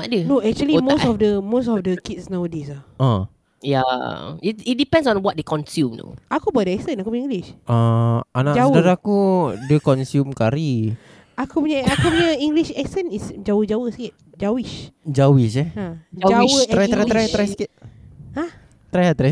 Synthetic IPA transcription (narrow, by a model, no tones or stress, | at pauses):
adənoɛk̚t͡ʃuəlimosɔfdəmosɔfdəkitsnawdisaã | jaitit̚dipɛ̃ndsɔ̃nwɔt̚dekɔ̃nsjumno̰ʔakubaʔ̚dəɛksənakupuɲãĩŋɡliʃaanad͡ʒawdadakudəkɔnsjumkaɾi | akupuɲaakupuɲaiŋɡliʃɛksənisd͡ʒawəd͡ʒawəsəkit̪̚ | d͡ʒawiʃd͡ʒawiʃɛad͡ʒad͡ʒawəɾaj̪ɾat̪ɾajat̪ɾajskit̚a | t̪ɾajat̪ɾaj